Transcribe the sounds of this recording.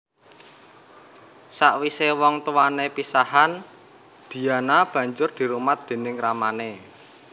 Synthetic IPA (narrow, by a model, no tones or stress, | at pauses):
saʔwisewɔŋt̪uwanepisahan | d̪̥i̤anab̥ä̤ɲd͡ʒʊrd̪̥i̤ɾumat̪̚d̪̥e̤nɪŋramane